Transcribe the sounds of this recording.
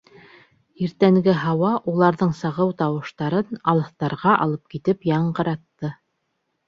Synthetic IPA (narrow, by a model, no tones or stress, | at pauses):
iɾt̪æŋɡɘɦɑwɑʔulˠɑɾðɤɴsɑʁɤwt̪ɑwɤ̆ʃt̪ɑɾɤnɑlˠɤ̆θt̪ɑɾʁɑʔɑ̰lˠɤp̚kit̪ɘpjɑɴɢɤ̆ɾɑt̪ːɤ